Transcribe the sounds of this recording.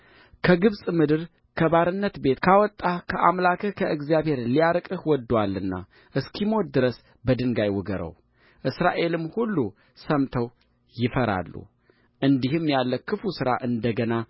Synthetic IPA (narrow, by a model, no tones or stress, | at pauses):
kʰəɡɨβsʼmɨd̪ɨɾ | kʰəbaɾɨnːət̪be̞t̪kʰawɔt̪ʼːakʰəʔamlakʰəkʰəʔɨɡzjaβhe̞ɾlijaɾkʼɨhwɔd̪ːwalːɨnːa̰ | ʔɨskʰimo̞nd̪ɨɾəs | bəd̪ɨŋɡajwɔɡəɾə̰w | ʔɨsɾa̰ʔe̞lɨmːhulːu | səmt̪ʰəw | jɪfəɾa̰lːṵ | ʔɨnd̪ihɨmjalːəkʰːɨfusɨɾaʔɨnd̪əɡəna